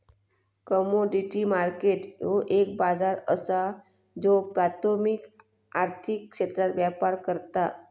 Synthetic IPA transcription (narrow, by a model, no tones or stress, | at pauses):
kəmoɖiʈimaɾkeʈjoʔek̚bad͡zaɾəsa | d͡zopɾat̪ʰomik | aɾt̪ʰikːʂet̪ɾat̪ʋjapaɾkəɾt̪a